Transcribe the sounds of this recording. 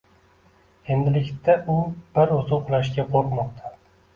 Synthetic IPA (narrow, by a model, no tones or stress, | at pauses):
e̞nd̪ɪlɪkʲt̪ʰaʊb̥ɪɾʊzʊqʰʊlˠaʃkʲaqʰoɾqmɒqt̪ʰḁ